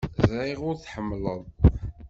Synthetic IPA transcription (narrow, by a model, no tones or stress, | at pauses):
ziʁʊɾθħəmːləðˤ